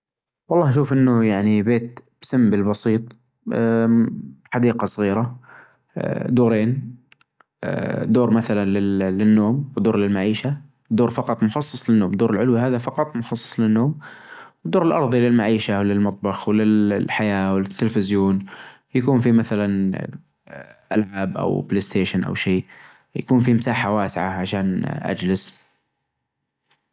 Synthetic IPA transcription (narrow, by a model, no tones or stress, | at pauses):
wɑlˤːɑːhʃuːfʔɪnːʊjaʕnibeːt̪̚b̥samːbɪlbɑsiːt̪ˤː | ħad̪iːqɑsˤɣiːɾa̰ | d̪uːɾeːn | d̪oːɾmaθalanlɪlɪnːoːmwɪd̪oːɾlɪlmaʕiːʃa | d̪oːɾfɑqɑt̪ˤmʊxɑsˤːɨ̥sˤlɪnːoːmd̪oːɾɪlʕʊlwiɦaːðafɑqɑt̪ˤmʊxɑsˤːɑ̥sˤlɪnːoːmwd̪ːoːɾɪlʔɑɾˤðˤilɪlmaʕiːʃawlɪlmɑt̪̚ˤbɑxwɪlɪħajaːwɪlɪt̪ːɪlfɪzjoːn | jakuːnfimaθalan | ʔa̰lʕaːbʔa̰wbleːst̪ʰeːʃanʔa̰wʃeː | ja̰kuːnfimɪsaːħawaːsɪʕaʕaʃaːnʔa̰d͡ʒlɪz